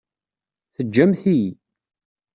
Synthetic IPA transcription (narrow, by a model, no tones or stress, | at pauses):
θəd͡ʒːæmθij